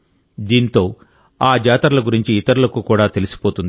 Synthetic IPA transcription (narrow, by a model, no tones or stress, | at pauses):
d̪iːnt̪o̞ː | aːd͡ʒaːt̪ɐɾɐlɐɡuɾiɲt͡ʃiːt̪ɐɾulɐkuːkuːɽaːt̪e̞lisi̥po̞ːt̪und̪i